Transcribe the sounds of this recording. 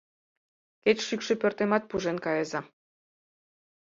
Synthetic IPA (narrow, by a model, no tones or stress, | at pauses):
ket͡ɕʃykʃepʲørt̪emɑt̪̚puʒenkɑjɤzɑ